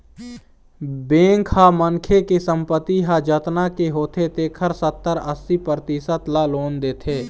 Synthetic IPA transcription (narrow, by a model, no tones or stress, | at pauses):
bẽːŋkhamənkʰekesə̃mpət̪ːiɦad͡ʒət̪nakeɦoːt̪ʰet̪eːkʰəɾsət̪ːəɾəsːipɾt̪isət̪laloːnd̪eːt̪ʰeː